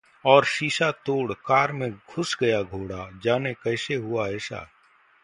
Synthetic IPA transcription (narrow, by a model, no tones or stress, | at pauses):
ɔːɾʃiːʃat̪oːɽkaːɾmẽɡʱʊsɡɐjaɡʱoːɽad͡ʒaːnekɐɪseɦʊaeːʃa̰ː